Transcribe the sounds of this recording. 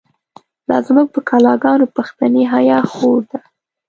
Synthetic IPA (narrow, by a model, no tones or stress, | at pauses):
lɑ̰zmək̚pəkʰɑlɑɡɑnopaxt̪aneɦajɑxoɾd̪a